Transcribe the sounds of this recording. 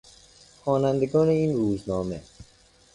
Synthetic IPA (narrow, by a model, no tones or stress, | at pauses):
xɔːnænd̪eɡɒːneiːnɾuːznɒːme